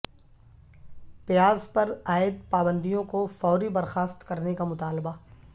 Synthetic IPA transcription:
pjaːzpɐɾaːɪd̪̚paːbə̃nd̪ijõkofɔːɾibɐɾxaːst̪kɐɾnekamʊt̪aːlba

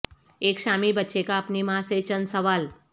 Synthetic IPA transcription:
ekʃamibətːʃekaːpnimaset͡ɕənsəʋal

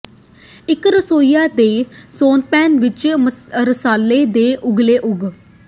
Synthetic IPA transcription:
ɪkɾəsoːijaːd̪eːsoːnpɛːnʋɪt͡ʃɾəsaːlːeːd̪eːʔʊɡleːʔʊɡ

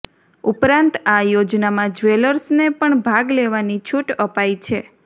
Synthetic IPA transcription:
upɾãnt̪ajod͡ʒnamãd͡ʒʋeləɾsnepəɳbʱaɡleʋanit͡ʃʰuʈəpajt͡ʃʰe

